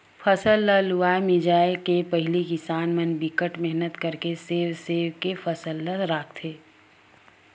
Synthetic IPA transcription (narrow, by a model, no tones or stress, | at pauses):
fʰɐsəlːaluaːemɪd͡ʒaːɪlkepɐɦɪlikɪsaːnmɐnbɪkəʈmɛɦnət̪kɐɾkeseːwseːʋkefɐsəlːəɾaːkʰt̪ʰeː